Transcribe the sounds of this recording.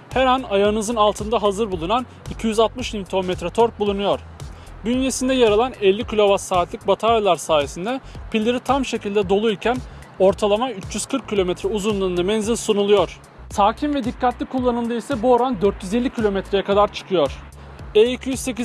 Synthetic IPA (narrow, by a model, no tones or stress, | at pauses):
hɛɾanajaɯnɯzɯnalˠt̪ʰɯnd̪aɦazɯɾbulˠunan | icʰijyzalt̪mɯʃlʲimt̪ʰo̞mɛt̪ɾɛt̪ʰoɾk̚bulˠunujo̞ɾ̥ | bynje̞sind̪ɛjaɾalˠanɛlʲːikʰilʲo̞vasaːt̪lʲic̚bat̪ʰaɾjalˠaɾsaːje̞sind̪ɛpʰilʲːiɾit̪ʰamʃe̞cilʲd̪ɛd̪o̞lˠuilcʰæn | o̞ɾt̪ʰalˠamayt͡ʃjyz̥kʰɯɾkʰːilʲo̞mɛt̪ɾɛuzunlˠɯːnd̪amɛnzilʲsunulˠujo̞ɾ̥ | saːcʰimvɛd̪ikːat̪lʲikʰulˠːanɯld̪ɯisɛbuoɾand̪øɾt̪jyze̞lʲːicʰilʲo̞mɛt̪ɾejakʰad̪aɾt͡ʃʰɯ̥kʰɯjoɾ̥ | ɛicʰijyzse̞ci